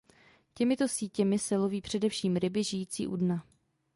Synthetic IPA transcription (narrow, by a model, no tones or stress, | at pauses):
cɛmɪt̪o̞siːcɛmɪsɛlo̞viːpr̝̥ɛdɛfʃiːmɾɪbɪʒɪjiːt͡sḭːʔudna